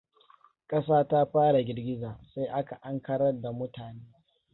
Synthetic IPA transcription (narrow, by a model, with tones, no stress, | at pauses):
kʼɐ˦saː˦taː˦ɸaː˦ɽa˨ɡʲɪ˨rɡʲɪ˦zaː˨sa˦ʔa˦ka˨ʔa˦ŋkɐ˦ɽɐ˦rda˨mʊ˦taː˨neː˦